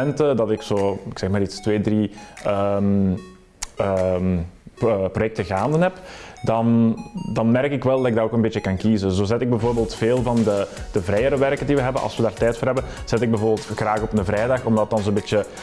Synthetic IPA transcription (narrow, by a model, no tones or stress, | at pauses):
ɛntədɑtɪksoːɪksɛxmaːɾitstʋeːdriəm | ə | əprojɛk̚təɣaːndənɦɛpdɑndɑnmɛrkɪkʋɛlˠdɑtɪɡ̚daɾoːkənbeːtt͡ʃəkɑnkizəzoːzɛtɪɡ̚bɛvoːrbeːlˠtfeːlˠvɑndəd̥əvɾɛːjəɾəʋɛrkəndiʋəɦɛbənʔɑ̰lˠswʋədaːrtɛjtfoːɾɦɛbən | z̥ɛtɪɡ̚bəvoːrbeːlˠtxraːɣɔpnəvrɛːjdɑxɔmdɑt̚dɑnzoːəbɪt͡ʃə